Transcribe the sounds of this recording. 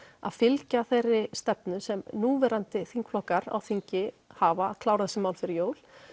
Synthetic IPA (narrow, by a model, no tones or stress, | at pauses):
a̰ðfɪlcaθejrːɪst̪ɛpnʏsɛmnuːvɛɾant̪ɪθiŋ̥kflɔhkaɾa̰wθiɲcɪ | haːvaðkʰlaːwɾaðsɪmawlfɪɾɪɾjoːwl